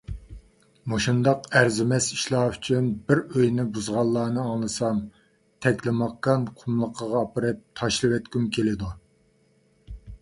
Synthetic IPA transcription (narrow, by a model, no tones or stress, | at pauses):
moʃund̪ɑqæɾzɪmɛsi̥ʃlˠɑːyt͡ʃʰynbɪɾøjnɪbuzʁɑlˠːɑːnɨɑŋlˠɨsɑm | t̪ʰɛkʲlɪmɑqːɑnqʰʊmlˠəqʰəʁɑːpɨɾɨp̚t̪ʰɑʃlˠɨwɛt̪kʲymkʲʰelɪd̪u